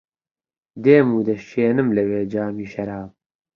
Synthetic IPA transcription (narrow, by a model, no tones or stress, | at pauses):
d̪eːmuːd̪ɐʃeːnɨmlɐweːd͡ʒaːmiːʃɐɾaːb̚